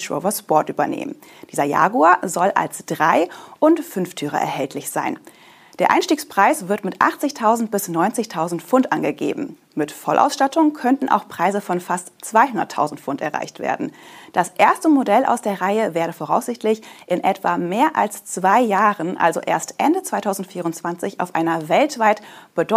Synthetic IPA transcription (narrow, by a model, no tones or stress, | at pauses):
o̰ʊvɐspɔɐtʔyːbɐ̰nḛːmən | d̥iːzɐja̰ːɡuazɔlʔa̰lsd̥ʁaɪʔʊntfʏnftʰyːʁə̰ʔɛ̰ɐhɛltʰlɪçz̥a̰ɪn | d̥eːɐʔaɪnʃtiːkspʁ̥aɪsv̥ɪɐtmɪtʔa̰χt͡sɪçtʰaʊzn̩t̚b̥ɪsnɔʏnt͡sɪçtʰaʊzn̩tfʊntʔanɡəɡḛːbm̩ | mɪtfɔlʔa̰ʊsʃtatʰʊŋkʰœntn̩ʔa̰ʊxpʁ̥aɪzəfɔnfastt͡sv̥aɪɦʊndɐ̰tʰːa̰ʊzn̩tfʊntɛ̰ɐʁa̰ɪçtv̥ḛːɐdn̩d̥asʔeːɐstəmodɛlʔa̰ʊsd̥eːɐʁaɪəveːɐɾəfoːʁaʊsz̥ɪçtʰlɪçʔɪnʔɛtv̥a̰meːɐʔa̰lst͡sv̥aɪjaːʁənʔa̰lzo̰ʔḛːɐstʔɛndət͡sv̥aɪtʰaʊzn̩tfiːʁʊntt͡sv̥ant͡sɪça̰ʊfʔa̰ɪnɐvɛltv̥aɪtb̥ədɔ